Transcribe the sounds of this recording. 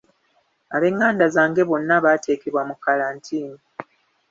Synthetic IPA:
aβe̞ːŋːaːndazaːŋɡe̞βo̞nːaβaːtʰe̞ːkeβwamukːalaːntʰiːni

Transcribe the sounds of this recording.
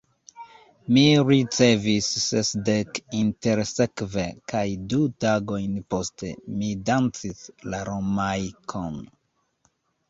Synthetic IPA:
miɾit͡se̞visːesdekinte̞ɾse̞kve̞kajdutaɡo̞jnpo̞ste̞̰midant͡sislaɾomajkʰon

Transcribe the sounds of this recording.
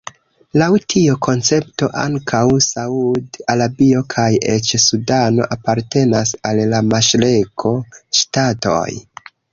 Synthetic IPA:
lawtʰiokʰo̞nt͡se̞pto̞̰ʔa̰ŋkʰawsaudalabio̞kʰajet͡ʃsudano̞̰ʔapaɾte̞nasalːamaʃlekʰo̞ʃtato̞̰j

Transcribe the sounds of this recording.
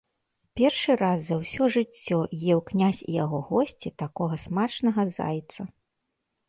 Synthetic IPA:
pʲɛrʂɨɾazːɐwsʲɔʐɨt͡sʲːɔjɛwknʲasʲḭjaɣɔɣɔsʲt͡sʲit̪akɔɣɐsmat͡ʂnɐɣɐza̰jt̪sɐ

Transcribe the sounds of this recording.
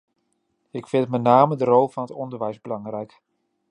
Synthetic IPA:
ɪkfɪntmɛtnaːmədərolˠvɑnətɔndəɹʋɛjzbəlɑŋrɛjk

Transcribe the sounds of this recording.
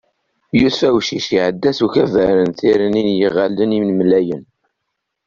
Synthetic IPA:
jusfæwʃiʃiʕəd̪ːæsuçævəɾənθiɾəninjəʁælːənimnmlːæjən

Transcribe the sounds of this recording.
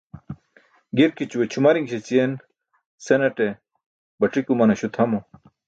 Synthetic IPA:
ɡiɾkit͡ɕuwet͡ɕʰumɐɾiŋɡɕet͡ɕien | senɐʈe | bɐʈ͡ʂikumɐnɐɕut̪ʰɐmo

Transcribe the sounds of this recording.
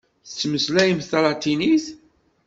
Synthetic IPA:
θə̥t͡sːməslæjəmθɑlˤɑt̪iniθ

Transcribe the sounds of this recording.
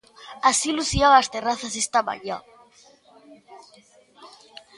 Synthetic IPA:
asiluθiaast̪eraθas̬est̪aβa̰ʎa

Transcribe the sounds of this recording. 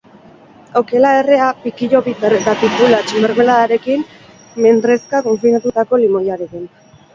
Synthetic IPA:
o̞ke̞laere̞apikiʎo̞βit̪eɾet̪at̪ip̪ulat͡ʃimbeɾmelaðaɾe̞kin | me̞nd̪ɾe̞skako̞ɱfinat̪ut̪ako̞limo̞jaɾekin

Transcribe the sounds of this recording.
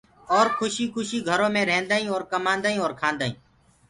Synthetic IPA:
ɔːɾkʰʊʃiːkʰʊʃiːɡʱəɾõːmẽːɾẽːnd̪aːĩːɔːɾkəmãːnd̪aːĩːɔːɾkʰãːnd̪aːḭ̃ː

